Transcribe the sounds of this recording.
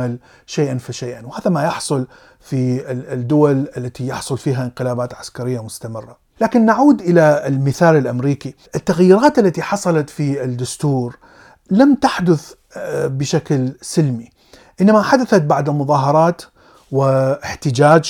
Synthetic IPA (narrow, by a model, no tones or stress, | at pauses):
al | ʃeːʔanfaʃejʔanwhaːðamajɑħsˤʊl | fid̪ːʊwalʔalːat̪ijɑħsˤʊlfiːɦaʔɪnqɪlaːbaːt̪ʕaskaɾɪjːamʊst̪amɪrːa | laːkɪnːaʕuːd̪ʔɪlaɪlmɪθaːlɪlʔamɾiːkiʔɪt̪ːaɣjiːɾaːt̪ʔalːat̪iħɑsˤɑlɑt̪fiɪd̪ːʊst̪uːɾ | lamt̪aħd̪ʊθ | bɪʃaklsɪlmi | ʔɪnːamaħad̪aθat̪̚baʕd̪ɪlmʊðˤɑːɦɑɾˤɑːt̪ | wɪɪħt̪ɪd͡ʒaːd͡ʒ